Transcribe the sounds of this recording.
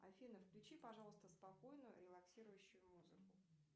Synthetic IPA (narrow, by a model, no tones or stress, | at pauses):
ɐ̰fʲinəfklʲʊt͡ɕipɐʐɑlˠəst̪əspɐko̞jnʊjʊɾʲɪlˠɐksʲiɾʊjʉɕːʊjʊmuzɨkʊ